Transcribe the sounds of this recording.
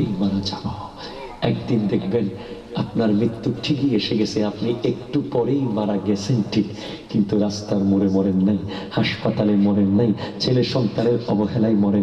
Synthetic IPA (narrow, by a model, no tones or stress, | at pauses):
ejmaɾad͡ʑano | ɛk̚d̪ind̪ekʰben | apnaɾmɾit̪ːuʈʰikieʃeɡɛsʰeapniekʈupɔɾejmaɾaɡɛt͡ɕʰenʈʰik | kint̪uɾast̪aɾmuɾemɔɾenːaj | haʃpat̪alemɔɾenːajt͡ɕʰeleʃɔŋk̪aɾeɾɔboɦelajmɔɾen